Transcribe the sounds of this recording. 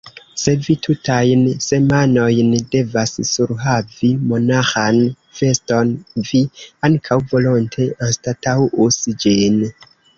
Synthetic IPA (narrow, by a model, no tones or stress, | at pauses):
se̞vitʰutajnse̞mano̞jnde̞vassuɾɦavimo̞naxan | fe̞sto̞nviaŋkʰawvo̞lo̞ntʰe̞ostatawusd͡ʒin